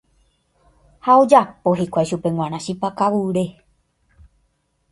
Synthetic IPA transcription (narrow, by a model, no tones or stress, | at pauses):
haod͡ʒapo̞ɦikʷajʃupe̞ŋw̃ʷãɾ̃ãʃipakaʋuɾe